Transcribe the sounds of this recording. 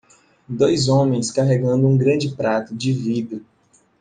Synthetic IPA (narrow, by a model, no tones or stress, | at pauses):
d̪ojzõmẽj̃skaɦeɡɐ̃nd̪ʊũɡɾɐ̃d͡ʒɪpɾat̪ʊd͡ʒɪvid̪ʊ